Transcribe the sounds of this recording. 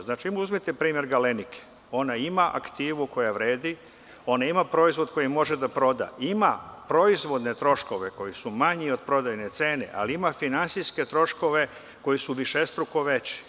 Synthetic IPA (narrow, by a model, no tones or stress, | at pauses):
znaːt͡ʃiimuuzmit̪epɾiːmje̞ɾɡalenikʰe̥ | o̞naimaʔa̰kt̪iːʋuko̞jaʋɾe̞ːd̪i | o̞naimapɾo̞izʋo̞d̪ko̞jimːo̞ʒe̞d̪apɾo̞d̪a̰imapɾo̞izʋo̞d̪ne̞t̪ɾo̞ʃko̞ʋe̞ko̞jisumaɲio̞d̪̚pɾo̞d̪ajnet̪se̞ːne̞̰ʔa̰liimafinansiske̞t̪ɾo̞ʃko̞ʋe̞ | ko̞jisuʋiʃest̪ɾuko̞ʋe̞t͡ɕi̥